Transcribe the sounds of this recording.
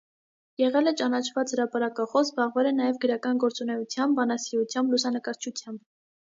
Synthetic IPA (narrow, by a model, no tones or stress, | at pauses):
jɛʁɛlɛt͡ʃɑnɑt͡ʃʰvɑt͡shəɾɑpɑɾɑkɑχɔsbɑʁvɛlɛnɑjɛvɡəɾɑkɑnɡɔɾt͡sunɛjut͡sʰjɑmbːɑnɑsiut͡sʰjɑmblusɑnəkɑɾt͡ʃʰut͡sʰjɑmb